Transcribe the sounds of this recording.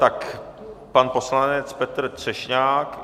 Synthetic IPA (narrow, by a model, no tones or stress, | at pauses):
t̪akpanposlanɛt͡spɛt̪r̩t̪r̥ɛʃɲaːk